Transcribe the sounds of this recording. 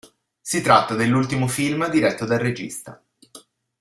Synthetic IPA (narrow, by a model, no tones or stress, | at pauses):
sit̪ɾat̪ːad̪elːult̪imofilmd̪iɾɛt̪ːod̪alred͡ʒḭst̪a̰